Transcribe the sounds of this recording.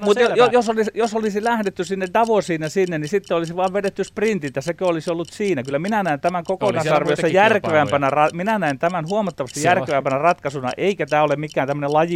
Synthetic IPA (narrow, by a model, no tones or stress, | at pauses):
mut̪ojjosolisjosolisilæhdet̪ːysinːedɑʋosiːnːæsinːennisit̪ːeolisiʋɑːʋʋedet̪ːysprint̪it̪ːæsekøolisiolːut̪siːnækylːˑæminænæint̪æmæŋkokonɑssɑrʋejossɑjærkeʋæmpænærɑminænæint̪æmænhuɑmɑt̪ːɑʋɑst̪ijjæreʋæmpænærɑt̪kɑsunɑ̰ʔeikæt̪æːolemmikːˑæːnt̪æmːənelɑji